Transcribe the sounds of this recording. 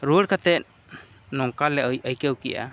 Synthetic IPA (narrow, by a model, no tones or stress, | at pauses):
ɾuəɽkat̪ɛt̪̚ | nɔŋkalɛəjkɛwkɛ̰ja̰